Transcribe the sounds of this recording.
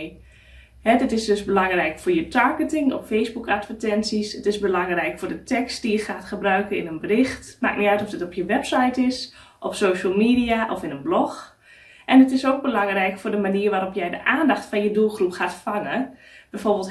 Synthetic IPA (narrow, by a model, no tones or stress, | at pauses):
hɛdɪtɪsdøsbəlɑŋrɛjkfʊːjətʰaɹɡətɪŋɔ̰ffejsbukatfətɛnsisətɪsbəlɑŋrɛjkfʊːdətʰɛkstd̥ijəxaːtχəbrœɥkənɪnənbərɪxtma̰ːk̚niœɥtɔfdɪtɔpʰjəʋɛpsajtɪs | ʔɔpsoːʃəlˠmiːdiaʔɔfɪnənblɔx | ʔɛnətɪsoːk̚bəlɑŋrɛjkfʊːdəmaniərʋaːɾɔpjɛjdə̰ʔaːndaxtfɔnjədulˠxrupxaːtfaŋəb̥ɛjfoːɹbəlˠt